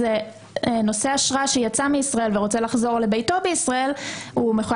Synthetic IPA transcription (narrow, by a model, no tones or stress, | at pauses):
ze | no̞se̞aʃʁaʃejat͡sameisʁae̞lveʁo̞t͡se̞laχzo̞ʁle̞bejto̞beisʁae̞lumeχu